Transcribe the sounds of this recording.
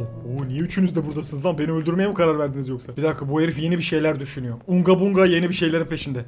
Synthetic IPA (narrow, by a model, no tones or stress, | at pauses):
bunijɛyt͡ʃʰynyzd̪ɛbuɾd̪asɯnɯzˠanbeniølʲd̪yɾmejamkʰaɾaɾvæɾd̪inizjo̞ksabid̪akʰabueɾifje̞nibiʃe̞jlʲæɾd̪yʃynyjo̞uŋɡabuŋɡaje̞nibiʃe̞jlʲe̞ɾinpʰe̞ʃind̪ɛ